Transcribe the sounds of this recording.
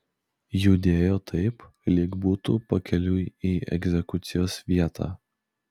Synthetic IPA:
juːd̪ʲeːjoːt̪ʰɐɪp | lʲɪɡbuːt̪uːpɐkʲɛlʲuːiːɛ̰ɡzʲɛkʊt̪sʲɪjoːsʋʲiɛt̪ʰɑ̰ː

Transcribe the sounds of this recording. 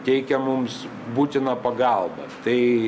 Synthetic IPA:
t̪ʲɛɪkʲɛmʊms | buːt̪ʲɪnɐːpɐɡɐlˠbɐ̰t̪ɐɪ

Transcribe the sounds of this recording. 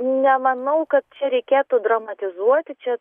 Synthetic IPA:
nʲɛmɐnɐʊkɐt̪̚t͡ʃʲɛɾʲɛɪkʲeːt̪ʊd̪rɐmɐt̪ʲɪzuɔt̪ʲɪt͡ʃʲɛ

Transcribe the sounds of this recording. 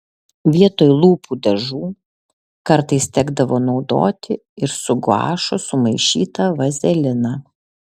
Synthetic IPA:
ʋʲiɛt̪oːjlˠuːpʰuːd̪ɐʒuː | kɐɾt̪ɐɪst̪ʲɛɡd̪ɐʋoːnɒʊd̪o̰ːt̪ʲɪ | ɪɾsʊɡʊɑ̰ːʃʊsʊmɐɪʃʲḭːt̪ɐʋɐzʲɛlʲɪnɑː

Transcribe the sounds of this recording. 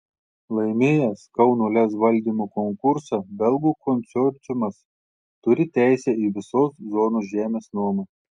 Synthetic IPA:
lˠɐɪmʲeːjɛskɐʊnuːlʲɛsʋɐlʲd̪ʲiːmoːkɔŋkʊɾsɑbʲɛlˠɡuːkʰɔnʲt̪sʲɔpʲt͡ʃ̪ʲʊmɐs | t̪ʊɾʲɪt̪ʲæˑɪsʲɛiːʋʲɪsoːszoːnoːsʒʲæːmʲeːsnuɔmɐ

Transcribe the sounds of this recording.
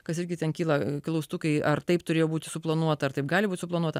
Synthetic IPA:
kɐsɪɾʲɡʲɪt̪ʲɛnkʲiːlˠɐklˠɐʊst̪ʊkɐɪʔɐrt̪ɐɪpt̪ʊɾʲeːjoːbuːt̪ʲɪsʊplˠɐnuɔt̪ɐɐɾt̪ɐɪp̚ɡɑːlʲɪbuːt̪ʲɪsʊplˠɐnuɔt̪ɐ

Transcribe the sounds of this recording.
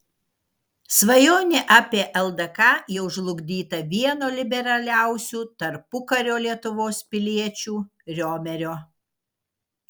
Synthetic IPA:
sʋɐjoːnʲɪʔɑːpʲeːʔɛlˠd̪ɐkɑːjɛʊʒlˠʊɡd̪ʲiːt̪ɐʋʲiɛnoːlʲɪbʲɛɾɐlʲæˑʊsʲuːt̪ɐɾpʊkɐɾʲoːlʲiɛt̪ʊʋoːspʲɪlʲiɛt͡ʃʲuːɾʲoːmʲɛɾʲoː

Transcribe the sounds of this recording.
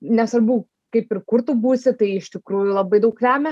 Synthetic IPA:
nʲɛsʋɐɾbuː | kɐɪpɪrkʊɾt̪uːbuːsʲɪt̪ɐɪɪʃʲt̪ʲɪkɾuːjʊlˠɐbɐɪd̪ɐʊklʲæːmʲɛ

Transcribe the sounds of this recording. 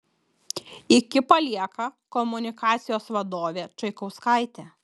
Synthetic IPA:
ɪkʲɪpɐlʲiɛkɐkɔmʊnʲɪkɑːt̪sʲɪjoːsʋɐd̪oːʋʲeːt͡ʃɐɪkɐʊskaˑɪt̪ʲeː

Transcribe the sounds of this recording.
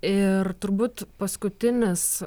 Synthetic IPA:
ɪrt̪ʊɾbuːt̪pɐskʊt̪ʲɪnʲɪs

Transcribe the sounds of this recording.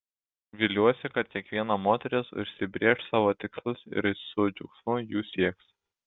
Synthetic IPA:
ʋʲɪlʲuɔsʲɪkɐt̪̚kʲiɛkʋʲiɛnɑmoːt̪ʲɛɾʲɪsʊ̰ʃʲsʲɪbʲɾʲeːʃsɑːʋoːt̪ʲɪkslˠɐsɪ̰ɾsʊd͡ʒʲʊ̰ksmʊjuːsʲiɛks

